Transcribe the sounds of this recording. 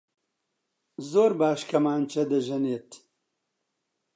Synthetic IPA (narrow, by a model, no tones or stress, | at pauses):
zoːɾbaːʃkʰɐmaːnt͡ʃʰɐd̪ɐʒɐneːt̪